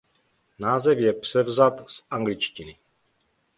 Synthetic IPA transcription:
naːzɛfjɛpr̥ɛvzat̪sʔaŋɡlɪt͡ʃcɪnɪ

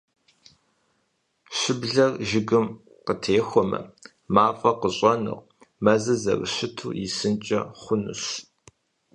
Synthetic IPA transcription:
ɕʷɪbɮɐrʒɪɡɨm | qətʰeːxʷɔmɐ̰ | maːfʼɐqəɕʼɐnɨ̰ʁ | mɐzɐzɐ̰rɨ̰ɕʷɪtʰṵːjɪsɨnt͡ʃʼɐχʷʊnɨ̰ɕ

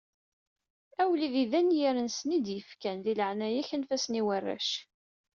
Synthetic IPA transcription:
æwliðiðænjiɾənsnid̪jəfkænðiləʕnæjæçənfæsniwərːa̰ʃ

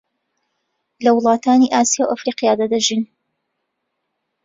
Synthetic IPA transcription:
lɐwʊlˠɑːt̪aːniʔaːsijawʔɐfɾiːqijaːd̪ad̪ɐʒin

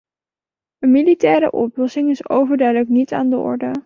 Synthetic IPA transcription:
ənmilitɛːɾə̰ʔɔ̰plɔsɪŋɪso̰wvəɹdœɥdələknita̰ːndəʔɔ̰ɹdə

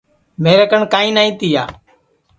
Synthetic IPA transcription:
meːɾəkəɳkaːĩːnaːĩːt̪ɪja̰ː

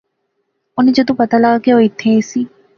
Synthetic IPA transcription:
ʊnẽd͡ʒod̪ũpɐt̪alaɡakeoɪt̪ʰːesiː

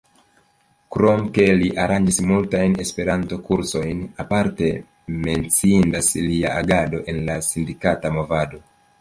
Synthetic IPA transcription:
kɾo̞mke̞liʔaɾand͡ʒismultajne̞spe̞ɾanto̞kuɾso̞jnapaɾte̞ | me̞nt͡siindasliaʔaɡado̞ʔe̞nlasindikatamo̞vado̞

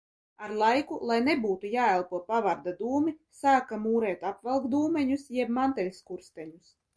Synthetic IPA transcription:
aɾlˠajkulˠajnebuːt̪ujaːɛlˠpuɔpavaɾd̪ad̪uːmisaːkamuːɾɛːt̪apvɛlˠkd̪uːmɛɲusjɛb̚mant̪ɛlʲskuɾst̪ɛɲus

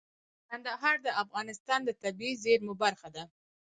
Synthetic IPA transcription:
kand̪aɦɑɾd̪əafɣɑnɪst̪ɑnd̪ət̪abizeɾmʊbaɾxad̪a

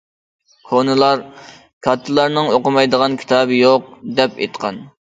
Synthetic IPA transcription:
kʰonɨlˠɑɾ | kʰɑt̪ʰːɨlˠɑɾnɨŋoqʊmɑjd̪əʁɑnkʲʰi̥t̪ʰɑːbɨjoq̚d̪ɛpḛjt̪qʰɑ̰n

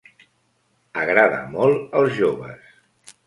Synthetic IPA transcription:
əɣɾaðə̰mɔlˠəlˠzʒoβə̰s

